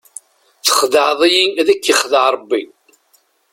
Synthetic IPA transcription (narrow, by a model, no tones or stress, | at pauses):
θə̥χðəʕðˤijiðækːiχðəʕɾˤəbːi